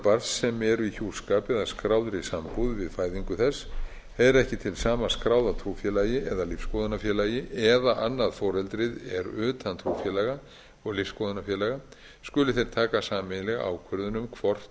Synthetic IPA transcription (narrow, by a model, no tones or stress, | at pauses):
paɾsːɛmɛɾvɪðçuːskaːpɛðaskɾawðɾisampuðvɪðfaːjðiŋkʏθɛs | ɛɾɛhcɪt̪ʰɪlsaːmaskɾawðat̪ʰɾuːfjɛlajɪɛðalɪfskɔðʏnafjɛːlajɪʔɛðaʔanːaðfɔːɾ̥ɛlt̪ɾɪðɛɾʏːt̪ant̪ʰɾuːfjɛlaɣa | ɔɣlɪfskɔːðʏnafjɛːlaɣa | skʏlɪθejɾ̥t̪ʰaːkasaːmɪlɛɣa̰wkʰvʏɾðʏnʏmkʰvɔr̥t̪